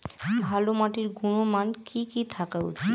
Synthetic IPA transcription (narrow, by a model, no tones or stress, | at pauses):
bʱalomaʈiɾɡunomankikit̪ʰakaṵt͡ɕʰi